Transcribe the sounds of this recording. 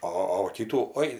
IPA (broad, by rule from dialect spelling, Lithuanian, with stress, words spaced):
ˈoː oː ʋɐ ˈkʲiːtuː ˈoːɪ